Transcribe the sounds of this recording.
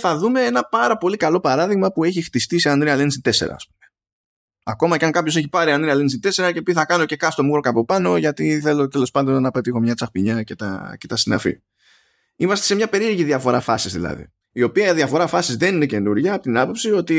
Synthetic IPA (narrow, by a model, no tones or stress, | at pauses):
θɐðume̞enɐpɐɾɐpo̞likɐlo̞pɐɾɐðiɣmɐpue̞çixt̪ist̪iseɐnd̪ɾiɐlensit̪e̞se̞̰ɾɐ̰ːspu̥me̞ | ɐko̞mɐceɐŋkɐpço̞se̞çipɐɾiɐnd̪ɾiɐlensit̪e̞se̞ɾɐcepiθɐkɐno̞ce̞kɐst̪o̞muɣɾokɐpo̞pɐno̞ʝɐt̪iθe̞lo̞t̪e̞lo̞spɐnd̪o̞nnːɐpe̞t̪ixo̞mɲɐt͡sɐxpiɲɐce̞t̪ɐ̰ce̞t̪ɐsinɐ̰fḭ | imɐst̪e̞se̞mɲɐpe̞ɾiɾʝiðiɐfo̞ɾɐfɐsizðḭlɐ̰ðḭ | io̞piɐiðiɐfo̞ɾɐfɐsizðenine̞ce̞nuɾʝɐːpot̪inɐpo̞psio̞t̪i